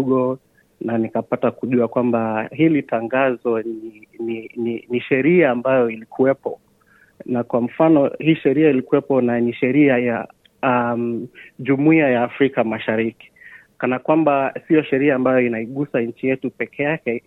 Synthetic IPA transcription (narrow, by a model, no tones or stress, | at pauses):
ɠɔ | nanikapatakuʄuakwambahilitaŋɡazɔninininiʃɛɾiaːmbajɔilikʰuwɛpɔ | nakwam̩fanɔhiːʃɛɾiailikuwɛpɔnaniʃɛɾiaja | amʄumuiajaːfɾikamaʃaɾiki̥ | kanakwambasiɔʃɛɾiaːmbajɔinaiɠusaɲ̩t͡ʃijɛtupɛkʰɛjakɛ